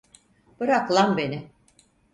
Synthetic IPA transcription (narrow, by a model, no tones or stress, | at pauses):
b̥ɯɾaklˠanbe̞nɪ